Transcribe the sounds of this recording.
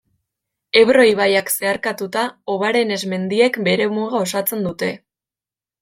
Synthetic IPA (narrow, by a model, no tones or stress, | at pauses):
e̞βɾo̞iβ̞ajakse̞aɾkat̪ut̪ao̞β̞aɾe̞ne̞zme̞nd̪ie̞kbe̞ɾe̞muɣao̞sat͡se̞nd̪ut̪e̞